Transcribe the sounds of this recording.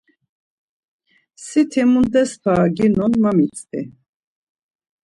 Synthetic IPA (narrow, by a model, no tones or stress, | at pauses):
sit̪ʰimund̪ɛspʰaːɡinɔnmamit͡sʼt̪ḭ